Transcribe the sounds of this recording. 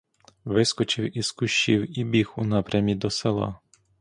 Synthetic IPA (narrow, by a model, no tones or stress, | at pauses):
ʋɪskɔt͡ʃɪwiskʊʃt͡ʃiwibʲixunɑpɾʲɐmʲid̪ɔselˠɑ̰